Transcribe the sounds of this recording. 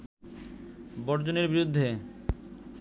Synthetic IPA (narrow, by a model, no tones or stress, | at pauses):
bɔɾd͡ʑoneɾbiɾud̪ʱːe